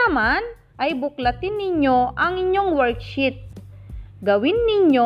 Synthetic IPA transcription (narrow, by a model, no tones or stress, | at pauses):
ɐman | ʔɐjbʊklɐt̪ɪnːɪɲo̞ʔɐŋɪɲːo̞ŋwɛɹkʃɪt̪̚ | ɡɐwɪnːɪɲo